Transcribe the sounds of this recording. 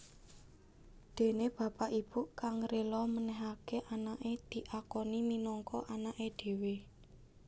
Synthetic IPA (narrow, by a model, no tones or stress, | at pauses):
d̪̥e̤neb̥ä̤paʔib̥ukaŋɾelɔmənɛɦakeʔanaʔed̪̥i̤ʔakɔniminɔŋkɔʔanaʔed̪̥e̤we